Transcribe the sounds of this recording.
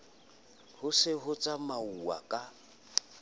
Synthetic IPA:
hʊsɪɦʊt͡sʼamauwa̰kʼa

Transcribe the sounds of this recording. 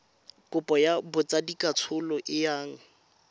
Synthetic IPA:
kʼʊpʼɔjabʊt͡sadikʼat͡sʰʊlɔʔɪjaːŋ̩

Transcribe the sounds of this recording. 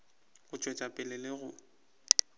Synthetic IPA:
ɣʊt͡ʃʼwet͡ʃʼapʼɪlɛleɣʊ

